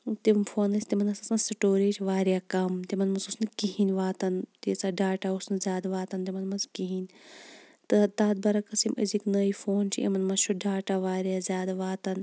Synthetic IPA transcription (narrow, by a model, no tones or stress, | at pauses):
t̪imfʰoːnɐsʲt̪imɐnɐsɐsɐnsiʈoːɾeːʈʋaːɾjaːkɐmt̪imɐnmɐsusnɨkiɦinʲʋaːt̪ɐnt̪it͡saːɖaːʈausnɨzʲjaːd̪ʋaːt̪ɐnt̪imɐnmɐskiɦinʲ | t̪ɨt̪aːd̪̚bɐɾɐkɐsimʔɐziknɐːifoːnt͡ʃʰiɐ̰mɐnmɐʃʰoɖaːʈaːʋaːɾijaːzʲaːd̪ʋaːt̪ɐn